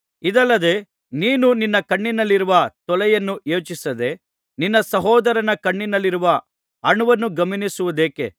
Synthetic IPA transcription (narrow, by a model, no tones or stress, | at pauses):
id̪ɐlːɐd̪e̞ | niːnuninːɐkɐɳːinɐlːiɾuʋɐt̪ɔlɛjɐnːuʔeːt͡ʃisɐd̪e̞ | ninːɐsɐɦɔːd̪ɐɾɐnɐkɐɳːinɐlːiɾuʋɐ | ɐɳuʋɐnːuɡɐminisuʋud̪e̞ːkḛ